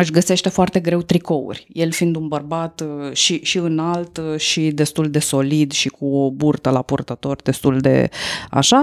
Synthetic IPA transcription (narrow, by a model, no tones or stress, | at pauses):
ɨʃʲɡəse̞ʃt̪e̞foart̪e̞ɡɾe̞wt̪ɾiko̞ṵrʲje̞lfind̪unbərbat̪ʃiʃiɨnalt̪ʃid̪e̞st̪uld̪e̞so̞lid̪ʃikuoburt̪əlapurt̪ət̪o̞rd̪e̞st̪uld̪e̞̰a̰ʃa